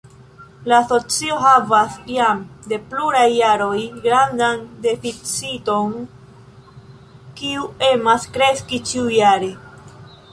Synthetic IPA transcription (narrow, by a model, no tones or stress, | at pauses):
laːso̞t͡sio̞ɦavasjamde̞pluɾajːaɾo̞jɡɾandande̞fit͡sito̞n | kiue̞maskɾe̞skit͡ʃiujaɾe̞